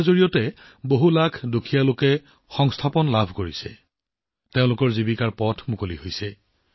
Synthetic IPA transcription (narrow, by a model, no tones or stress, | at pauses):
zoɹijɔtɛ | boɦulakʰdokʰijalokɛ | xɔŋstʰapɔnlabʱkoɹisɛ̰ | teʊ̃lʊkɔɹzibikaɹpɔtʰmukolihojsɛ